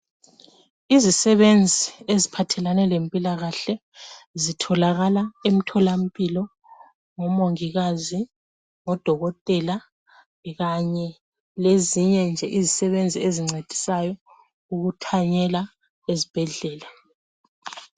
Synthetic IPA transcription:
izisɛβend͡zʱiezipʰatʰɛlanɛlempʼilaɣaɬɛ | zitʰɔlaɣalaem̩tʰɔlam̩pʼilɔ | ŋɔmoŋiɣazi | ŋɔd̥ʱɔɣɔtʼɛla | ɣaɲɛ | leziɲɛnd͡ʒʱɛʔizisɛβend͡zʱieziŋ͡ǀʱed̥ʱi̥sajɔ | uɣutʰaɲɛla | ezib̥ʱɛɮɛːla

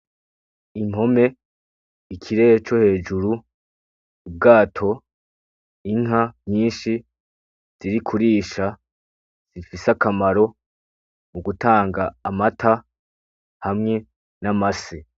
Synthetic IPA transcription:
im̥ho̞me̞ | ikʰiɾe̞et͡ʃo̞he̞ːd͡ʒuɾuː | b̚ɡaːtʰo̞ | iŋɦaɲɲiːnʃi | z̥iɾikʰuɾiːʃa | z̥ifisakamaɾo̞ | muɡutaːŋɡaːmatʰa | hamŋe̞ | namase

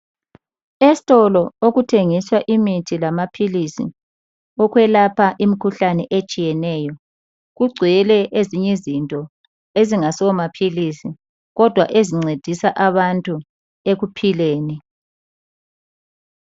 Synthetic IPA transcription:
esi̥tʼɔlɔoɣutʰeŋiswaʔimitʰilamapʰilisḭ | ɔɣwɛlapʰaʔimikʰuɬanɛʔet͡ʃʼijɛnɛːjɔ | ɣuɡ͡ǀʱijɛlɛʔeziɲɛzintʼɔ | eziŋasɔwɔmapʰilisi | ɣɔd̥ʱwaʔeziŋ͡ǀed̥ʱisaʔaβantʼu | eɣupʰileːni

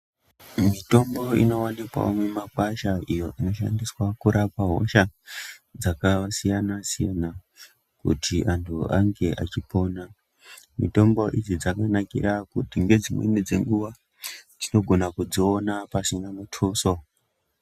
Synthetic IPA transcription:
mito̞mbo̞ḭno̞wanikwa̰omwemakwaʃaʔijo̞ʔino̞ʃa̰ndiswakuɾʔapaɦo̞̰ʃa | d͡zakasijanasijana | kṵtʰiʔantʰuaŋɡe̞ʔa̰t͡ʃipo̞na | mḭto̞mbo̞ʔid͡zid͡zakanakḭrakutiŋɡe̞d͡zimwḛnid͡ze̞̰ŋɡuʋa | d͡zino̞ɡʱo̞nakud͡zionapasinamutʰuso

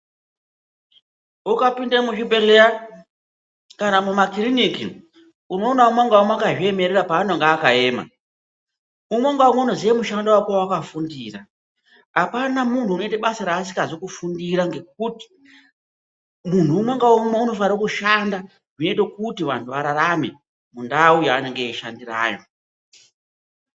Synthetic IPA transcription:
ukapindamut͡ʃibe̞ɮea | kanamumakiɾinikḭ | uno̞ːnaumwaŋɡawamwakaʐie̞me̞ɾeɾapaːnoŋɡaːkae̞ːma̰ | umweŋɡaomweuno̞ziamuʃandawakawakafundiːra | apanamuntʰuːnoitaɓasaɾaːs̬i̥kazokufundiɾaŋɡe̞k̚uti̥ | muntʰuːmweŋɡaomweuno̞faɾokuʃanda | ʐino̞itekutiʋa̰ntʰuʋaɾaɾamḛ | mundaujaːneŋɡeʃandira̰ːjo̞

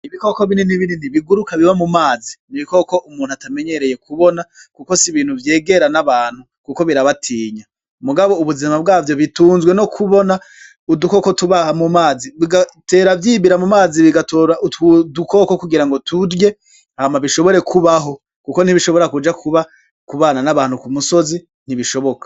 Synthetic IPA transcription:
iβiko̞ko̞βininiβininiβiɡuɾukaβiβamumaːziniβiko̞ko̞ʔumuːnhuatame̞ɲe̞ɾe̞je̞kuβo̞nakuko̞siβiːn̥huvje̞ːɡe̞ɾanaβaːn̥hu | kuko̞βiɾaβatʰiːɲa | muɡaβo̞uβuzimab̚ɡaːvjo̞βituːnzɡwe̞no̞kʰuβo̞na | uduko̞kotuβahamumaːziβiɡate̞ːɾavjiːβiɾamumaːziβiɡatoːɾaʔutuduko̞ko̞kuɡiɾaŋɡo̞tʰuɾje̞ | hamaβiʃo̞βo̞ɾe̞kʰuβaɦo̞ | kuko̞n̥hiβiʃo̞βoɾakud͡ʒakʰuβa | kuβaːnanaβaːn̥hukumusozi | n̥iβiʃo̞βo̞kḁ

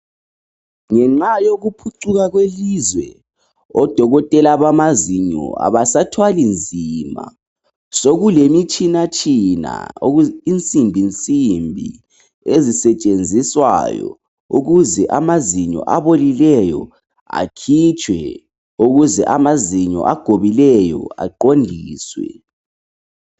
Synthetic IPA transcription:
ŋɛŋ͡ǁajoɣupʰuǀuɣaɣwelizwɛ̰ | ɔd̥ʱɔɣɔtʼɛlaβamaziɲɔ̰a̰βasatʰwalind͡zʱima̰ | soɣulemit͡ʃʼinat͡ʃʼina̰int͡sʼimbʱint͡sʼimbʱḭ | ezisɛt͡ʃʼend͡zʱiswa̰jɔ̰ | uɣuzɛʔamaziɲɔ̰ʔaβolilɛjɔ | a̰kʰit͡ʃʼwɛ | uɣuzɛʔamaziɲɔ̰ʔaɡ̥ʱoβilɛjɔ̰a̰ǃondʱiːswɛ̰

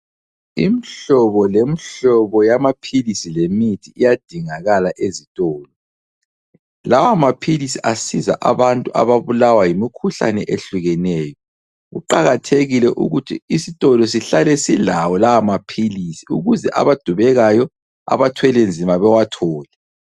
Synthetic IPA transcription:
imiɬɔβɔlemiɬɔβɔjamapʰilisilemitʰiijad̥ʱiŋaɣalaʔezitʼɔːlɔ | lawamapʰilisiʔasiza̰ʔa̰βantʼuʔa̰βaβulawajimikʰuɬa̰nɛʔeɬuɣɛnɛːjɔ | ɣuǃaɣatʰeɣilɛʔṵɣutʰḭisitʼɔlɔs̬iɬalɛsilawɔlawamapʰilisiṵɣuzɛʔa̰βad̥ʱuβɛɣajɔ | a̰βatʰwɛlɛnd͡zʱimaβɛwatʰɔːlɛ

